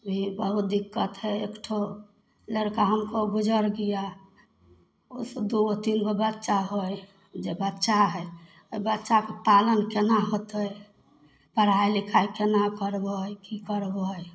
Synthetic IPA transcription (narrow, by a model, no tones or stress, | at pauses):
bʱibəɦut̪̚d̪ikːət̪ɦɛekʈʰo | ləɾkaɦəmkoɡud͡ʒəɾɡija | osəd̪uot̪inkebəd̪t͡ʃaɦoj | d͡ʒebət̪ːʃaɦɛ | obət̪ːt͡ʃakepalənkenaɦot̪əj | pəɽ̤aelikʰajkenakəɾbəjkikəɾbəj